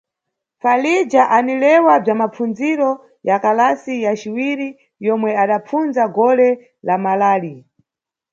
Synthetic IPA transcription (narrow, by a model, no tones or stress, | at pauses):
falid͡ʒaʔanilɛwab͡ʐamap͡fund͡ziɾɔ | jakalasijat͡ʃiwiɾi | jɔmwɛaɗap͡funzaɡɔlɛ | lamalaːli